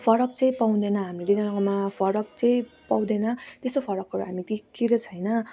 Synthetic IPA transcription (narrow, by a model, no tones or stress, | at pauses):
pʰʌɾʌk̚t͡sʌ̃ĩpaw̃d̪enʌɦamid̪id̪ʌnʌkomapʰʌɾʌk̚t͡sʌĩpaw̃d̪enʌt̪est̪opʰʌɾʌkɦʌɾuɦamit̪ikiɾʌt͡sʰʌjnʌ